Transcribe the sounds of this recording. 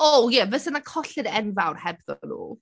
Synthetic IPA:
ojɛvəsənakʰɔɬɨdɛnvawrhɛbðɔ̰nṵː

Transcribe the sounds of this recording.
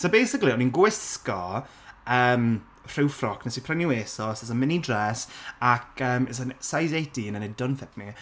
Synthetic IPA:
sobejsɪkliɔninɡojsskɔ | əːm | r̥ɪwfrɔkʰnɛsipʰrɛnjuweːsɔsɛsənmɪnidrɛsakʰəːmɛsansajzejdinənɛdɔnfɛtni

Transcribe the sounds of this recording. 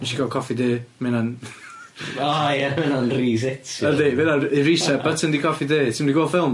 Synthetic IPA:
miʃikɡalˠkʰɔfideːmɛnan | ajəmɛnanriːsɛtʰədeːveðairisab̥ətʰəndikʰɔfideːtʰɪmdiɡoːlˠfɪlˠm

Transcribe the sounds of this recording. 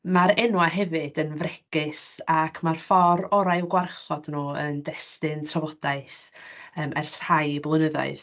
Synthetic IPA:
maɾɛnwaɦɛvɨdənvrɛɡɪsakʰmarfɔɾɔɾajwɡwarχɔdnuːəndɛstɪntʰravɔd̥aɨsəːmʔɛrθr̥ajblˠənəðɔ̰ɨð

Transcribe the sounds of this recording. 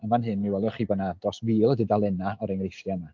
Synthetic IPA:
anvanɦɨnmiwɛlˠjɔχiːbɔdnad̥ɔswiːlˠɔdɪdalˠɛnaɔɾeŋrefrjana

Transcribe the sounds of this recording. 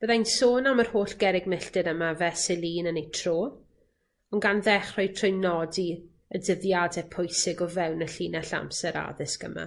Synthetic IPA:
b̥əðajnsoːnamərhoːɬɡ̥ɛɾɪɡmɪɬtɨɾəmavɛsɪlˠiːnənejtʰroː | ɔnɡanðɛχrɔjtʰrenɔdi | ədəðjadɛpʰʊjsɪɡɔvɛwnəɬiːnaɬa̰msɛɾa̰ðɪskə̰ma̰

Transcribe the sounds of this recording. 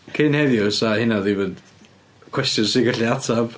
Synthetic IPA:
kʰenhɛðjɔsahɪnaðivəð | kʰw̥ɛstjɔnsɪɡaɬiatʰav̥

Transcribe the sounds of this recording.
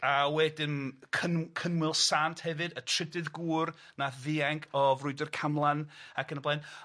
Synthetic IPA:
awɛdɪmkʰənkʰənwɪlˠsaːntʰhɛvɨdətʰr̥ɪdɨðɡuːrnaðɪaŋkʰɔvrʊɨdərkʰamlˠanakənəblˠajn

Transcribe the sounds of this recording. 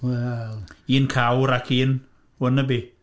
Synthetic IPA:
waiːnkʰawɾakʰiːn | wənəbi

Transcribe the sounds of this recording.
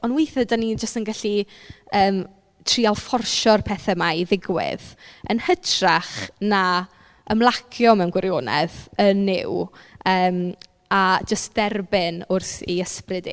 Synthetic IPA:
ɔnweθɛdanid͡ʒəstənɡaɬiəːm | tʰrialˠfɔrʃɔrpʰɛθɛmajðɪɡwɪ̰ðə̰nhətʰraχna | əmlˠakʰjɔmɛwnɡwɪɾjoːnɛ̰ðənːɪ̰wəːm | ad͡ʒəst̚d̥ɛrbɪnʊrθiəsprɪdḭ

